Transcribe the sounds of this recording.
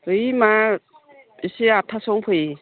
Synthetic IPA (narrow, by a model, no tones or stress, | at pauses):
ɯjma | isiatʰasɔŋpʰɯji